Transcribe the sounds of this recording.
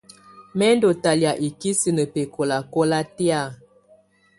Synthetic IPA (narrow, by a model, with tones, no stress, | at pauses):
mɛ˦ndo˨ta˨lja˨ʔi˨ki˦si˨nə˨pe˨kʰo˨la˨kɔ˦la˦ti˦a˦˨